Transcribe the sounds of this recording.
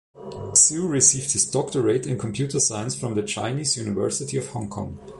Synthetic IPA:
suɹisiːvd̚hɪzdɔktə˞eɪtɨ̃nkʰɔ̃mpʰj̥utə˞saɪə̃nsfɹɔ̃mðət͡ʃʰã̰ɪ̃niːzjʉnɪvɜ̰˞sɪtiɔv̥hɔ̃ŋkʰɔ̰̃ŋ

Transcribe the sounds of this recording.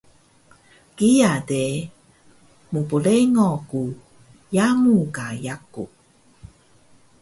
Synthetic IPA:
kijade | mupuleŋɔku | jamukajakṵ

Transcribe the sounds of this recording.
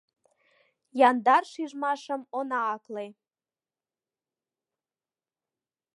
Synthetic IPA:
jɑnd̪ɑrʃiʒmɑʃəmonɑːkle

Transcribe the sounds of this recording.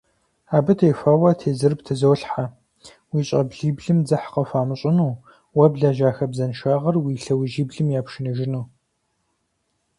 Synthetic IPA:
aːbɨtʰejfaːwɐtʰeːzɨrbtʰɐzɐwːɬħa | wiːɕʼɐbɮiːbɮɨmd͡zɐħqɐfaːmɨɕʼɪnuː | wɐbɮaːʒaːxɐbzɐnʃaːʁɐrwiːɬɐwiʒiːbɮɨmjaːpʃɪnɨʒɪnuː

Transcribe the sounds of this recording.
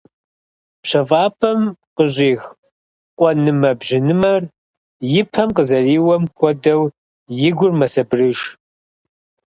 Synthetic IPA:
pɕɐvaːpʰɐmqəʑʼiːx | qʷʼɔnɨmɐbʒɪnɨmɐr | jɪpʰɐmqəzɐriːwɐmkʷʰʼɔdɐw | jɪɡʷʊrmɐsɐbrɨʃ

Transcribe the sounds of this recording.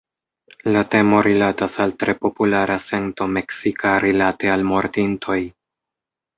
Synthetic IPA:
late̞mo̞ɾilatasaltɾe̞po̞pulaɾʔase̞nto̞me̞ksikʰaɾilate̞almo̞ɾdintʰo̞j

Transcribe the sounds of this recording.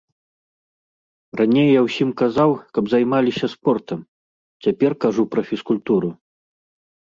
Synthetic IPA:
ranʲejːawsʲimkazawkɐbzajmalʲisʲɐspɔrt̪ɐm | t͡sʲapʲɛrkaʐupɾɐfʲiskulʲt̪uɾu

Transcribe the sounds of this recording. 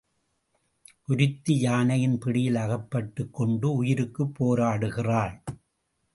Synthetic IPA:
ʔʊɾɪt̪ːijaːnɐjɪnpɪɽɪjɪlɐɣɐpːɐʈːɯkːɔɳɖɯʊjɪɾɯkːɯpːoːɾaːɽɯɣɪraːɭ

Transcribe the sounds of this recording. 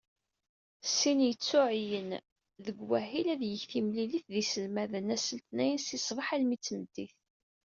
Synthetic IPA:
sinjət͡sːʊʕjən | ðəɡwæhilæðjəçθimliliθðisəlmæðənæsəlt̪næjənsisˤvˤɑħælmit͡sːəməd̪iθ

